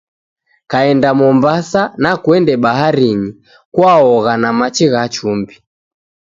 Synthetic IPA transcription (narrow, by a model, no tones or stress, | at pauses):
kaɛndamɔmbasanakwɛndɛɓaɦaɾiɲi | kwaɔɣanamat͡ʃiɣat͡ʃumbi